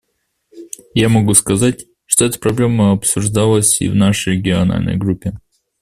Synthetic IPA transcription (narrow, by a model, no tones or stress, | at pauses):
jamɐɡuskɐzatʲ | ʂt̪oɛt̪ə̥pɾɐblʲe̞məɐpsʊʐd̪alˠəsʲḭvnaʂəjɾʲɪɡʲɪɐna̰lʲnə̰jɡɾupʲːɪ